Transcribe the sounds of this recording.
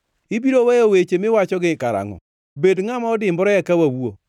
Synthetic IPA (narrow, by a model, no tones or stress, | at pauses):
ɪbiɾowejowet͡ʃemɪwat͡ʃɔɡɪkaɾa̰ŋɔ̰ | bedŋamaɔdɪmbɔɾɔjɛkawawuo